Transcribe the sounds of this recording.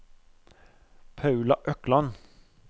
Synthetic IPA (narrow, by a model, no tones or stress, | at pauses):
pʰɑʉlɑʔœklɑn